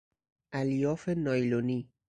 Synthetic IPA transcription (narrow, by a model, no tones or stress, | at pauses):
ʔæljɒːfenɒjloniː